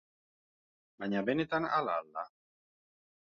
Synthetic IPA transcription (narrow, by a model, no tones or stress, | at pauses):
baɲaβenet̪ana̰la̰lːa